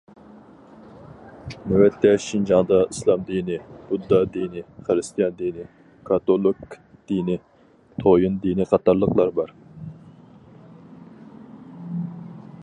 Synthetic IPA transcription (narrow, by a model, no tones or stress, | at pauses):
newɛt̪ːɛʃind͡ʒɑŋd̪ɑislˠɑmd̪inɪbud̪ːɑd̪inɪχəɾɨst̪ijɑnd̪inɪ | kʰɑt̪olˠɨk | d̪̥inɪ | t̪ʰojɨnd̪iniqʰɑt̪ɑɾlˠəqlˠɑɾbɑɾ